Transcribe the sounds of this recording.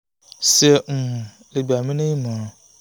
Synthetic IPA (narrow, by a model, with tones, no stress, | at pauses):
sɛ˨m̩˨ | le˨bi˨a˨mɪ̃˦nɪ̃˦mã˨˦˨